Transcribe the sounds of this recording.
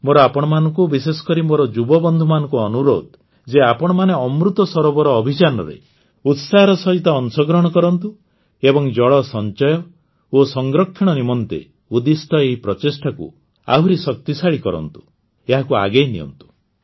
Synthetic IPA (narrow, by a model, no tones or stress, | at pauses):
moɾɔapɔɽ̃ɔmanɔŋkubisesɔ̥kɔɾimoɾɔd͡ʒubɔbɔnd̪ʱumanɔ̃ŋkuɔnuɾo̰d̪ | d͡ʒeapɔɽ̃ɔmaneɔmɾut̪ɔsɔɾɔbɔɾɔːbʱit͡ʃanɔ̰ɾḛ | ut̪saɦɾɔsɔɦit̪ɔːnsɔɡɾɔɦɔɽ̃ɔkɔɾɔnt̪u | ebɔŋd͡ʒɔɭɔsɔnt͡ʃɔjɔ | osɔŋɡɾɔkʰːiɽ̃ɔnimɔnt̪ḛ | ud̪ist̪ɔeɦipɾɔt͡ʃesʈʰakṵ | a̰ɦuɾisɔk̚t̪isaɭikɔɾɔ̰nt̪u̥ | eɦakua̰ɡejnḭɔ̰nt̪u̥